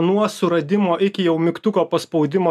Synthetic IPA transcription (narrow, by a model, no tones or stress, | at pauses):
nuɔsʊɾɐd̪ʲɪmoːʔɪkʲɪjɛʊmʲɪkt̪ʊkoːpɐspɒʊd̪ʲɪmoː